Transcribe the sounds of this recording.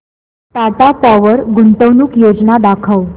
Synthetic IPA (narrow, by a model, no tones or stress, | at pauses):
t̪at̪apɔʋəɾɡunʈ̪əʋnuːkjod͡znad̪akʰəw